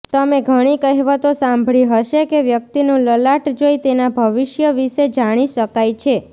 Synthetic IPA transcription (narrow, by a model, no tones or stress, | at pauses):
t̪əmeɡʱəɽ̃ikəɦʋət̪osãmbʱɭiɦəʃekeʋjək̚t̪inũləlaʈd͡ʒojt̪enabʱəʋɪʃjəʋiʃed͡ʒaɽ̃iʃəkajt͡ʃʰe